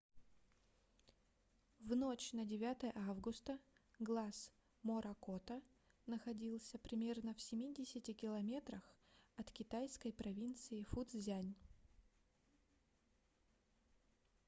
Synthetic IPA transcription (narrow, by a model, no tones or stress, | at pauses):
vnot͡ɕnədʲɪvʲat̪əjəʔavɡʊst̪əɡlˠas | moɾʔɐkot̪ə | nəxɐdʲilˠsʲəpɾʲɪmʲe̞rnəfsʲɪmʲidʲɪsʲɪtʲɪkʲɪlˠɐmʲe̞t̪ɾəxɐt̪kʲɪt̪ajskəjpɾɐvʲint̪sɨɪfud̪zzʲanʲ